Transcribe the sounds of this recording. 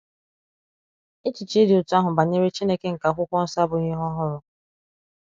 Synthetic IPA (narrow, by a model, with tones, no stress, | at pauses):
ɪ˦t͡ʃɪ˨t͡ʃe˦dɪ˨ʊ˨tʊ˦a˦ɦʊ˨ba˨ne˦ɾe˦t͡ʃi˦ne˦ke˦ŋ̩˨ka˨kʷʊ˦kʷɔ˦n̩˦sa˦bʊ˨ɣi˦ɦɔ˦ɦʊ˦ɾʊ˨